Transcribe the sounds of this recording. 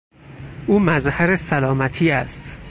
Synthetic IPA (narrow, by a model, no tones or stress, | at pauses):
ʔuːmæzhæɾesælɒːmæt̪ʰiːæst̪